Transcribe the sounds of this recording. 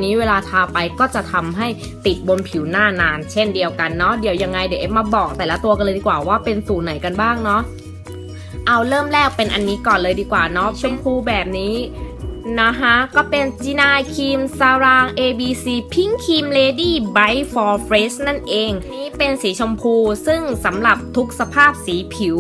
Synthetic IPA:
niː˦˥weː˧laː˧t̪ʰaː˧pa˧jkɔː˥˩t͡ɕa˨˩t̪ʰa˧mɦa˥˩j | t̪i˨˩t̪̚bo˧npʰi˨˩˦wnaː˥˩naː˧nt͡ɕʰe˥˩ndi˧əwka˧nːɔ˦˥di˩˦əwja˧ŋːa˧jdi˨˦ʔe˦˥p̚maː˧bɔː˨˩k̚t̪ɛː˨˩la˦˥t̪u˧ka˧lːdiː˧kwaː˨˩waː˥˩pe˧nsuː˨˩na˩˦jka˧nbaː˥˩ŋnɔ˦˥ʔ | ʔa˧wɾɤː˥˩mlɛː˥˩k̚pe˧nʔa˧nːiː˦˥kɔː˨˩nlɤː˧jdiː˧kwaː˨˩nɔ˦˥t͡ɕʰo˧mpʰuː˧bɛː˨˩p̚niː˦˥ | na˦˥kʰa˦˥kɔː˥˩pe˧nt͡ɕiː˧naː˧jkʰiː˧msa˧ɾaː˧ŋʔeː˧biː˧siː˧pʰi˦˥˩ŋkʰiː˧mleː˧diː˥˩ba˦˥jfɔː˧fɾeː˦˥sna˥˩nʔeː˧ŋniː˦˥pe˧nsiː˨˩˦t͡ɕʰo˧mpʰuː˧sɯ˥˩ŋsa˩˦mɾa˨˩p̚t̪ʰu˦˥k̚sa˧pʰaː˥˩p̚siː˩˦pʰi˨˩˦w

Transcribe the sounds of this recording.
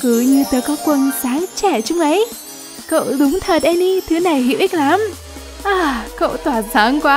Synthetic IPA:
kɨ˧˩ɲɨ˧t̪əː˨˦jkɔ˨˦kwə˨˩nsaː˨˦ŋt͡ɕɛ˧˩t͡ɕʊ˨˧˦ŋ͡mʔə˨˦j | ko̰˧˨ɗʊ˨˦ŋ͡mt̪ʰə˨˩t̚ʔɛ˧mɗi˧t̪ʰɨ˨˦na˨˩jhḭ˧˨wʔï˦˥k̟̚la˨˦m | ʔaː˨˧˩ko̰˧˨t̪waː˧˩saː˨˦ŋkwaː˦

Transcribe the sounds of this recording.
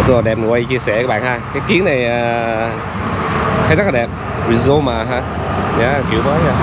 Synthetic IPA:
t̪ʰu˧˩la˨˩ɗɛ˨˩p̚n˨˩ʔə˧jt͡ɕi˧əsɛ˧˩˧ɓa̰ː˧˨haː˧kaː˨˦jki˨˦əŋna˨˩jaː˨˩ | xʰaː˨˦jnɔ˦˥klaː˨ɛ˨˩p̚ | ɹi˨˩zo˧maː˨˩ɦaː˧˩ | ɲaː˧˥˨ki˨˧˩əwkaː˧˦a˦ɲaː˧

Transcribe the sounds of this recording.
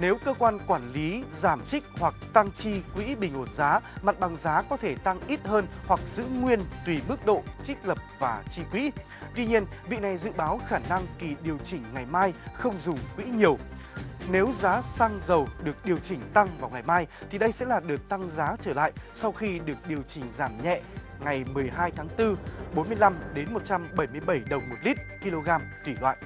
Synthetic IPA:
ne˨˦wkəː˧kwaː˧nkwaː˧˩nli˨˦zaː˧˩mt͡ɕï˦˥k̚hwa˨˩k̚t̪a˧ŋt͡ɕi˧kwḭ˧˥ɓï˨˩ŋ̟ho˧˩nzaː˨˦ma˨˩t̚ɓa˨˩ŋzaː˨˦kɔ˨˦t̪ʰe˧˩t̪a˧ŋʔi˦˥t̚həː˧nhwa˨˩k̚z̥ɨ̰˧˥ŋwi˧ənt̪wi˨˩ɓɨ˦˥ək̚ɗo̰˧˨t͡ɕï˦˥k̟̚ləː˨˩p̚v̥aː˨˩t͡ɕi˧kwḭ˧˥ | t̪wi˧ɲi˧ənvḭ˧˨na˨˩jzɨ̰˧˨ɓaː˨˦wxaː˧˩na˧ŋki˨˩ɗi˨˩əwt͡ɕï˨˩ŋ̟ŋa˨˩jmaː˧jxə˧wŋ͡mzʊ˨˩ŋ͡mkwḭ˧˥ɲi˨˩əw | ne˨˦wzaː˨˦saː˧ŋzə˨˩wɗɨ˨˩ək̚ɗi˨˩əwt͡ɕï˧˩ŋ̟t̪a˧ŋvaː˨˩wŋa˨˩jmaː˧jt̪ʰi˨˩ɗə˧jsɛ̰˧˥laː˨˩ɗɨ˨˩ək̚t̪a˧ŋzaː˨˦t͡ɕəː˧˩la̰ː˧˨jsa˧wxi˧ɗɨ˨˩ək̚ɗi˨˩əwt͡ɕï˧˩ŋ̟zaː˧˩mɲɛ̰˧˨ | ŋa˨˩jmɨ˨˩əjɦaː˧jt̪ʰaː˨˦ŋt̪ɨ˧ɓo˨˦nmɨ˧əjla˧mɗe˨˦nmo˨˩t̚t͡ɕa˧mɓə˧˩jmɨ˧əjɓə˧˩jɗə˨˩wŋ͡mmo˨˩t̚li˦˥t̚ki˧lo˧ɣaː˧mt̪wi˧˩lwa̰ː˧˨ʔ

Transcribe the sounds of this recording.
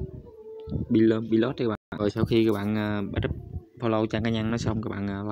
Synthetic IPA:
ɓi˧lə˧ɓi˧lɔ˦˥t̚ːɓa̰ː˧˨˧ɔ˨˩jsa˧wxi˧kɨː˧˦˥k̚ɓa̰ː˧˨nʔəː˨˩ɓa˦˥t̚p̚fo˧wlə˧wt͡ɕaː˧˩ŋkaː˨˧˦ɲa˧ŋnɔ˨˦sə˧wŋ͡mkaː˦k̚ɓa̰ː˧˨nʔəː˨˩la˧

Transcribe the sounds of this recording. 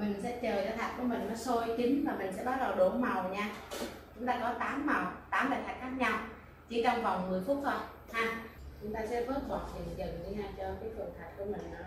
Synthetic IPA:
mï˨˩ŋ̟sɛ̰˧˥t͡ɕəː˨˩t͡ɕɔ˧t̪ʰaː˨˩t̚ku˧˩˦əmï˨˩ŋ̟nɔ˨˦so˧jt͡ɕi˨˦ŋ̟vaː˨˩mï˨˩ŋ̟sɛ̰˧˥ɓaː˧˥t̚ɗɔ˨˩wɗo˧˩˦ma˨˩wɲaː˧t͡ɕʊ˨˦ŋ͡mt̪aː˧kɔ˨˦t̪aː˨˦mːa˨˩wt̪aː˨˦mləː˨˩t̪ʰa˨˩k̚xʰaː˦˥k̚ɲa˧w | t͡ɕi˧˦t͡ɕa˧wva˨˩wŋ͡mmɨ˨˩əjfʊ˦˥t̚zo˧˩j | haː˧ | t͡ɕʊ˨˦ŋ͡mt̪aː˧sɛ̰˧˥vəː˦˥t̚zaː˨˩t̚i˨˩˨zə̰˧˨ŋzi˧ɲaː˧t͡ɕɔ˧kaː˨˦jt̪ʰɨ˨˩əŋt̪ʰaː˨˩ku˧˩əmï˨˩ŋ̟ʔ

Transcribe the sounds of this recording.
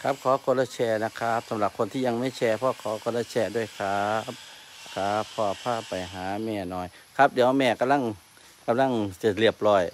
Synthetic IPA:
kʰa˦˥p̚kʰɔː˨˦kʰɔ˧laː˧˩t͡ɕʰɛː˧˩na˧kʰa˦˧˥p̚sa˨˦mla˧˩kʰo˧˨nt̪ʰiː˧˨a˧˨ŋma˥˨jt͡ɕʰɛː˧pʰɔː˧kʰɔː˨˦kɔ˧˩laː˧˩t͡ɕʰɛː˧˩du˧˩ə˨jkʰa˧˥p̚kʰaː˨˧˩pʰɔ˧˩pʰaː˧˩˨pa˨jɦaː˨˦mɛː˧˩nɔː˧˩jkʰa˧˦˥p̚diː˨˦əmɛː˧˩ka˧˨mla˧˥˨ŋ | ka˧mla˧˥˨ŋt͡ɕa˧˩li˧˩əp̚lɔː˧˩j

